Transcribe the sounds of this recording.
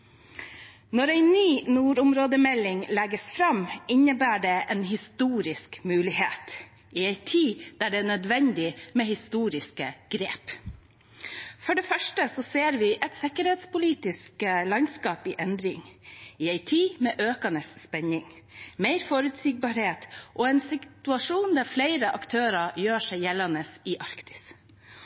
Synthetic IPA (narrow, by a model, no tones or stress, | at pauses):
nɔɾæɪnyːnuːɾʊmɾoːd̪əmɛlɪŋlɛɡəsfɾɑmɪnəbæːɖeːʔeːnɦɪst̪uːɾɪskmʉːlɪheːt̪ | ʔiæɪt̪ʰiːd̪̥æːɖɛːɳœd̪ʋɛnd̪ɪmeːhɪst̪uːɾɪskəɡ̥ɾeːp | fɔɖɛːfœʂʈəsɔseːɾʋɪʔɛt̪sɪkəɾheːt̪spʊliːt̪ɪskəlɑnskɑːpiːʔɛnd̪ɾɪŋɪæɪt̪ʰiːmɛːʔøːkɑnəsːpɛɲɪŋ | meɪɾfɔɾʉt̪siːɡ̚bɑɾheːt̪ʔoːɛnsɪt̪ʉɑʂuːnd̪æɾfleɪɾəʔɑkt̪ʰøːɾɑjøːʂæɪjɛlɑnəsɪʔɑɾkt̪ɪ̥s